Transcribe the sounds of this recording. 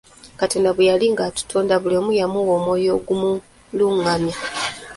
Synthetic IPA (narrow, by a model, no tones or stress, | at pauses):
kateːndaβujaliŋɡatu̥tʰoːndaβulemujamuwoːmojo̞ːɡumu | luŋami